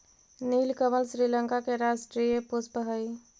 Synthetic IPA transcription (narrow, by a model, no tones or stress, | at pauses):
niːlkəməlsɾiləŋkakeɾasʈɾijepuspəɦəi